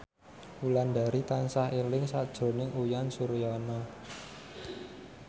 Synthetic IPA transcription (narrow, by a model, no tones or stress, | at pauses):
uland̪a̤ɾit̪ansahelɪŋsad̥ʒ̥ɾo̤nɪŋʔujansuɾjɔnɔ